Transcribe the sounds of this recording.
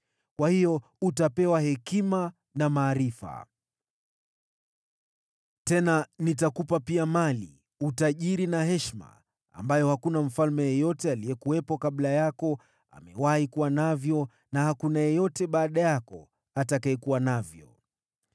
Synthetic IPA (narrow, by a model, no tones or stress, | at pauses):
kwahijɔ | utapɛwahɛkima | namaːɾifa̰ | tɛnanitakupapiamalḭ | utaʄiɾinaɦɛʃma̰ | a̰mbajɔhakunam̩falmɛjɛjɔtɛaliɛkuwɛpɔkaɓlajakɔ | a̰mɛ̰wahikuwanavjɔ | nahakunajɛjɔtɛɓaːɗajakɔ | atakaɛkuwanavjɔ̰